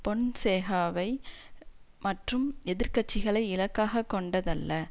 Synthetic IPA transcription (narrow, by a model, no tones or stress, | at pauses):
pɔɳseːɣaːʋɐɪ | mɐʈrɯmɛðɪɾkɐt͡ʃːɪɣɐɭɐɪɪlɐkːaːɣɐkːɔɳɖɐðɐlːɐ